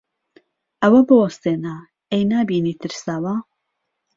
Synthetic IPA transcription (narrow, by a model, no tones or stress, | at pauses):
ʔɐwɐbɨwɐst̪eːna | ejnaːbiːniːt̪ʰɨɾsaːwa